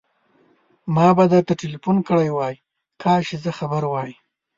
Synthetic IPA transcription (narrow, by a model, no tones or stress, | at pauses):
mɑbad̪əɾt̪aʈelifunkəɽajwɑji | kʰɑʃezəxabəɾwɑjə